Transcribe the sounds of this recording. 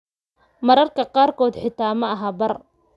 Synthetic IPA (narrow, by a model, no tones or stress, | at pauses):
mɐɾɐrkʰɐqɑːrkʰɔːd̪ħɪt̪ʰaːmɐɐɦaːbɐr